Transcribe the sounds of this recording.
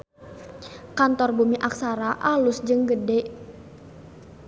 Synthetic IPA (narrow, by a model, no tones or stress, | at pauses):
kant̪ɔrbumiʔak̚saɾaʔalʊsd͡ʒɨŋɡədɛʔ